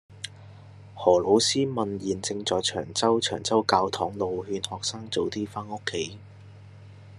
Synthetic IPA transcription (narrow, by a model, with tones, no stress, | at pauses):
hɔː˨˩lo˨˧˥wsiː˥mɐ˨njiː˨˩nt͡sɪ˧ŋt͡sɔː˨jt͡ʃʰœː˨˩ŋt͡sɐ˥wt͡ʃʰœː˨˩ŋt͡sɐ˥wkaː˧wt̪ʰɔː˨˥ŋlo˨whyː˧nhɔː˨k̚saː˥ŋt͡so˨˧wt̪iː˥faː˥no˥kʰːe˨˥j